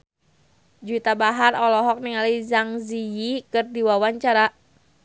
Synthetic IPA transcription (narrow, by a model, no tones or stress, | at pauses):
d͡ʒut̪abaɦarɔlɔɦɔk̚niŋalizaŋzijikɨrdiwawaɲt͡ʃaɾa